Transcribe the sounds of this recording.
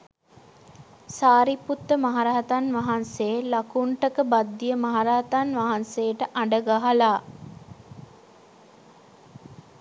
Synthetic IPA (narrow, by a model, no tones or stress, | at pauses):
saːɾiput̪ːəmaɦaɾaɦat̪anʋaɦansejlakuɳʈəkəbad̪ːijəmaɦaɾaɦat̪anʋaɦansejəʈəʔaɳɖəɡaɦalaː